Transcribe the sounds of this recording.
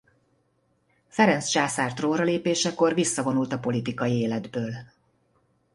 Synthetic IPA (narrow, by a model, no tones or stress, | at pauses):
fɛɾɛntst͡ʃaːsaːrt̪roːnrɒleːpeːʃɛko̞rvisːɒvo̞nult̪ɒpo̞lit̪ikɒjieːlɛd̪bøːl